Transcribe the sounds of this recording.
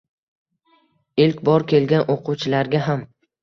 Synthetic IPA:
ɪlkʲbɒɾkʲʰe̞lɡʲanʔoqʰʊwt͡ʃʰɪlaɾɡʲaɦam

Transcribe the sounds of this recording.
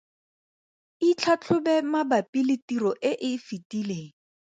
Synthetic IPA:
it͡ɬʰat͡ɬʰʊbɛmabapilɪtirɔʔɪʔɪfitileːŋ̩

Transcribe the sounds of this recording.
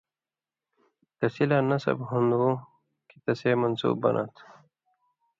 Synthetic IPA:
t̪əsilanɐsɐ̰bhund̪u | kit̪ɐsemɐnsṵːbbɐ̰nʔa̰t̪ʰ

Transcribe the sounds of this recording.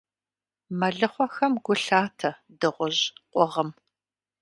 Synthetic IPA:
mɐɮɨχʷɔxɐmɡʷʊɬaːtʰɐ | dɨʁʷʊʑqʷɔʁəm

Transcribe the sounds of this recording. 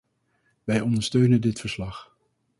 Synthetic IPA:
ʋɛjɔndəɹstøɥnəndɪtfəɹslɑχ

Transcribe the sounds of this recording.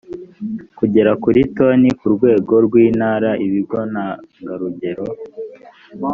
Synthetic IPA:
kuɟe̞ɾakuɾito̞nikuɾɡwe̞ːɡo̞ɾɡwiːnaːɾaʔiβiɡo̞naŋɡaɾuɟe̞ɾo̞

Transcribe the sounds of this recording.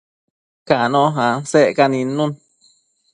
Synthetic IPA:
kanɔ̃ɦãseʔkanĩnũn

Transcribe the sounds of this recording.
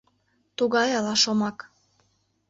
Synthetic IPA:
t̪uɣɑjɑlɑʃomɑk

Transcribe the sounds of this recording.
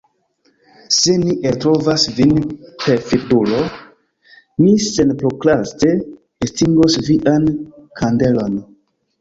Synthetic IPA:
seniʔetɾovasvinpe̞ɾfidulo̞ | mise̞npɾoklaste̞ | estiŋɡosviʔankʰande̞lo̞n

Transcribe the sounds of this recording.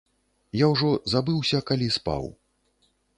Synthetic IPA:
jawʐɔzabɨwsʲɐkalʲispa̰w

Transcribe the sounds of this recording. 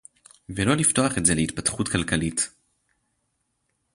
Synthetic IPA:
velo̞lifto̞aχe̞tze̞leit̚patχutkalkalit

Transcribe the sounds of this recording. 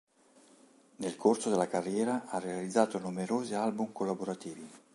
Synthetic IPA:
nelkorsod̪elːakarːjɛːɾaʔarːealid̪zːaːt̪onumeɾoːzialbumkolːaboɾat̪iːvi

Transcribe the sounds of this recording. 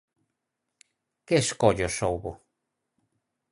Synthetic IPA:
keʃkoʎoʃowβo

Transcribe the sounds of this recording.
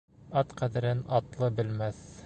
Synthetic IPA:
ɑt̪qæðɘ̆ɾɘnɑt̪lˠɤbɘ̆lmæθ

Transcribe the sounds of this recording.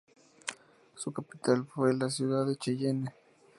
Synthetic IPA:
sʊkapit̪alfwelas̬juðaðet͡ʃejene

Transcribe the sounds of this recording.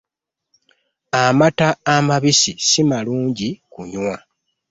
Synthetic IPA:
amataːmaβisisimaluːɲɟikuɲwa

